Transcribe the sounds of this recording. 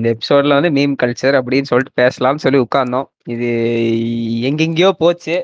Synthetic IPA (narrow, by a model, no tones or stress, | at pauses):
ɪnd̪ɐɛpːɪ̥soːɖlɐʋɐnd̪ɯmeːmkɐlt͡ʃɐɾɐp̬ːɐɽɪjnsɔlʈːɯ̥peːsɐlãːnɯsɔlːiʊkːaːɾɳɖõː | ɪðɯ | ɛŋɡɛŋɡɐjoːpoːt͡ʃːɯ